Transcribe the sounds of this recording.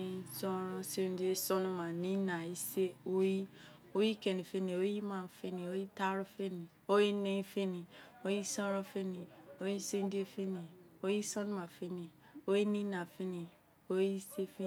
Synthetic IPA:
sɔ̃˦ɾɔ˦se˦n˦di˦e˦sɔ˦nu˦mã˨nĩ˦na˨i˦se˦o˦ji˦ | o˦ji˦ke˨ni˨fe˦ni˨o˦ji˦mã˨fe˦ni˨o˦ji˦ta˦ɾu˦fe˦nĩ˨ | o˦ji˦nẽ˦i˦fe˦ni˨o˦ji˦sɔ̃˦ɾɔ˦fe˦ni˨o˦ji˦se˦di˦e˦fe˦ni˨o˦ji˦sɔ˦nũ˦ma˨fe˦ni˨ | o˦ji˦nĩ˦na˨fe˦ni˨ | o˦ji˦se˦fe˦

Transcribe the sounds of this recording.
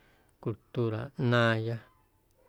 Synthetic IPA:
ku˧lt̪u˦ɾa̰˨nãː˦˧ja˦

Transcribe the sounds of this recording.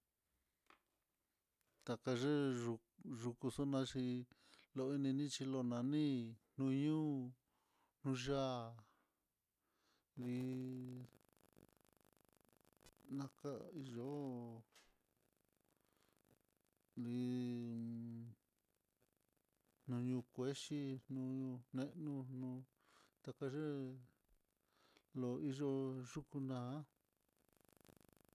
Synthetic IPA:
t̪a˨ka˧ʐe˦ʐu˧ | ʐu˧ku˧so˦nã˧ʂi˧ | lo˧i˧nĩ˧nĩ˦t͡ʃi˧lo˧nã˨˧nĩ˦n̥ũ˧ɲũː˦ | n̥ũ˧ʒa˦ | ði˧˦ | nã˧ka˧i˧ʒo˨˦ | li˧˦ | nũ˧ɲũː˧kʷe˦ʃi˦nũ˧ũ˧nẽ˦˧ʔnũ˧nũ˧ | t̪a˧ka˧ʐe˦ | lo˨i˧ʒo˧ʐu˦ku˧nã˨˦

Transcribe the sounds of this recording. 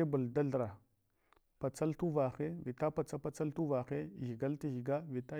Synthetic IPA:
e˦bu˨lda˦ɮɾa˨ | pa˨t͡sa˦ltu˦va˨xe˦vi˨ta˦pa˨t͡sa˦pa˨t͡sa˦ltu˦va˨xe˦˨ɣi˨ɡa˦lti˦ɣi˨ɡa˦vi˨ta˦

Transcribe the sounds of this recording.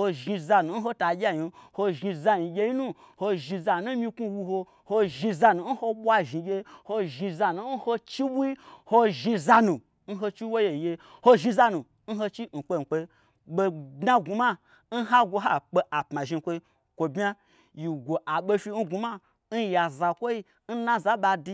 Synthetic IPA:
ho˧ʒi˧za˧nu˨n̩˦ɦo˦ta˨ɡʲa˦ji˨ho˧ʒi˧za˧ji˨ɡʲe˧ji˦nu˦ | ho˧ʒi˧za˧˨nu˦mĩ˧ku˦wu˧ho˧ | ho˧ʒi˧za˧nu˨˦n̩˦ho˧ɓʷa˧ʒi˨ɡʲe˧˦ho˧ʒi˧za˧nu˨n̩˦ho˧t͡ʃi˦ɓu˦i˦ho˧ʒi˧za˧nũ˨ | n̩˦ɦo˧t͡ʃi˦wo˦je˨je˧ho˦ʒi˧za˧nũ˨ | n̩˦ɦo˧t͡ʃi˦n̩˨k͡pe˧˨n̩˨k͡pe˧˦ | ɓo˧dna˦ɡu˨ma˦ | n̩˦ɦa˦ɡʷo˧ɦa˦k͡pe˧˦ʔa˨pma˨ʒi˧˨kʷo˧i˧˦ | kʷo˨bʲa˦ | ji˨ɡʷo˨ʔa˨ɓe˧fi˧n̩˦ɡu˧ma˦ | n̩˦ja˨za˨kʷo˦i˦ | n̩˦nã˦za˦ɓa˧di˧

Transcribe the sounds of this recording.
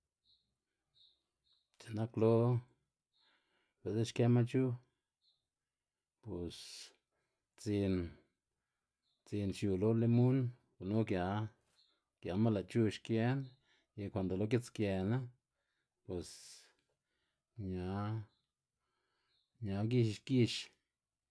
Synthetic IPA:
t͡ʃe˨na˦klo˦ | be˨de˦ʃke˦ma˦t͡ʃu˦ | pe˨s | t͡si˧n | t͡si˧nʃju˨lo˦le˦mu˦n | ɡu˨no˦kja˨ | kja˨˧ma˦la˨t͡ʃu˦˧ʃkje˦n | ja˧kʷa˨nd̪o˨lo˧˦k̬e˦t͡skje˧na˦ | pwe˨s | ɲa˧ | ɲa˨˧ɡi˦˧ʃʃki˧ʃ

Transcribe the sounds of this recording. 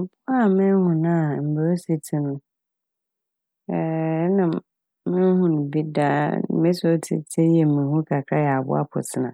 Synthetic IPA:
m̩˨bʰʊ˦a˦˨mɪ̃˦hʊ̃˨nã˦˨m̩˨ba˨o˦se˨tʰi˦nʊ̃˨ | ɛ˨˦nã˨ | mɪ̃˦hʊ̃˦ñ˨bi˦da˦mɪ̃˦so˦tʰḭ˨tʰe˦jɛ˨mĩ˨hũ˦kʰa˨kʰɾa˦jɛ˨a˨bʊ̰˦a̰˦pʰʊ̰˨tʰɪ˨nã̰˨

